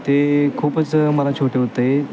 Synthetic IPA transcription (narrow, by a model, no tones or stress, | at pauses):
t̪ekʰuːpət͡sməlat͡ɕʰoʈʰeɦot̪əe